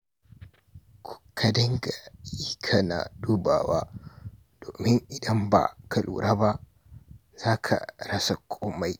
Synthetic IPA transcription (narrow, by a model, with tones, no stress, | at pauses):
kʰu̥˨kʰːɐ˦dɐ˦ŋɡa˨ji˦kʰa˨na̰˨duː˦ba̰ː˨waː˦ | d̥oː˨mɪ˦ŋʔɪ˨dɐ˦mba̰ː˨kʰɐ˨lṵː˨ɾa˦ba˦ | z̥aː˦kʰa̰˨ɾɐ˦sa˨kʷʰʼoː˦ma˨j